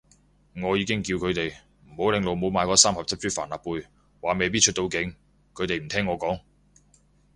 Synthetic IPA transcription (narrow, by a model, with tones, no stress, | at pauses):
ŋɔː˨˧jiː˨˧kɪ˥ŋkiː˧wkʰɵ˨˧ɥt̪e˨j | m̩˨˩ho˨˥wlɪ˨ŋlo˨wmo˨˧wmaː˨˧jkɔː˧saː˥mhɐ˨p̚t͡sʰɐ˥p̚t͡ʃyː˥faː˨˩nlaː˨˩pːuː˧j | waː˨˥me˨jp̬iː˥t͡ʃʰt̚t̪o˧wkɪ˨˥ŋ | kʰɵ˨˧ɥt̪e˨jm̩˨˩t̪ʰɛː˥ŋːɔː˨˧kɔː˨˥ŋ